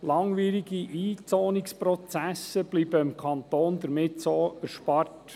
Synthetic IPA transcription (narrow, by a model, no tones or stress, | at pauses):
lɑŋʋiːɾiɡiʔiːt͡soːnikspɾɔt͡sæsəb̥libəɪmkʰɑnt̪oːnd̪əɾmɪtsoæɾʃpɑrt